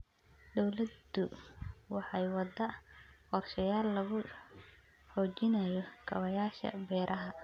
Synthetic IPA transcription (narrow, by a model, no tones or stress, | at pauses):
d̪ɔwlɐd̪ʊwɑħɑjwɑd̪ɐqɔrʃɐjaːlːɐɣʊ | ħɔːt͡ʃɪnɐjɔkʰɐwɐjaːʃɐ̰bɛːɾʔɐɦɐ